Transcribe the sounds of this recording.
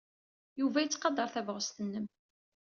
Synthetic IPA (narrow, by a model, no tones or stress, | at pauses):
juvæjət͡sːqɑd̪ɑɾˤθævʁəst̪ənːəm